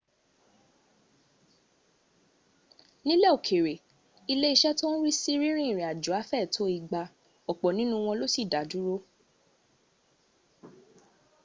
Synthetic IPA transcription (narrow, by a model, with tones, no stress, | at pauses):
nĩ˦lɛ˦o˨kʰe˨ɾe˨ | i˧le˦i˧ʃɛ˦to˦ɾi˦si˦ɾĩ˦ɾ̃ĩ˦˨ɾĩ˨a˨d͡ʒu˨a˨˦fɛ˦˨tʰo˨˦i˦˧ɡ͡ba˧ | ɔ˨k͡pɔ˨nĩ˨˦nũ˧w̃ɔ̃˧lo˦si˦˨da˨˦du˨˦ɾo˦